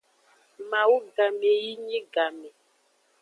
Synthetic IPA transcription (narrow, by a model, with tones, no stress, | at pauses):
ma˨wu˦ɡa˨me˨ji˦ɲi˦ɡa˨mɛ˨